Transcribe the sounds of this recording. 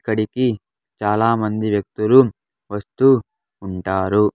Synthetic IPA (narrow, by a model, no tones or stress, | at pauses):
kːɐɽiki | t͡ʃaːlaːmɐnd̪iʋjɐk̚t̪ulu | ʋɐst̪uː | ɳʈaːɾu